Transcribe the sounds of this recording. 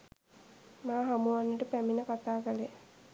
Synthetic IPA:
maːɦamuʋanːəʈəpæminəkat̪aːkəle

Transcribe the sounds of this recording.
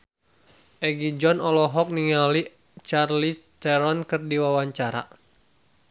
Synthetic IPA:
ʔɛɡid͡ʒɔnɔlɔɦɔk̚niŋali | t͡ʃarlit̪ɛɾɔnkɨrdiwawaɲt͡ʃaɾa̰

